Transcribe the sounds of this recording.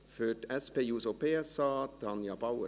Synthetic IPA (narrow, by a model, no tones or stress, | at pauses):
føːʈɛspeːjuːsopeːɛsɑːd̪̥ɑnjɑbɑwə